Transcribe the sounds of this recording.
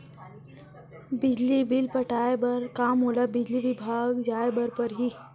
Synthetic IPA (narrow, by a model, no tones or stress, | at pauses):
bid͡ʑliːbilpəʈʰajbəɾkamɦolabid͡ʑliːʋibʱaɡd͡ʑajbəɾpəɾɦi